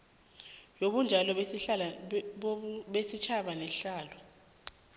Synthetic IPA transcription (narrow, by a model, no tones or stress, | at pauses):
joɓund͡ʒʱalɔ | ɓesit͡ʃʰaɓanɛɬaːlɔ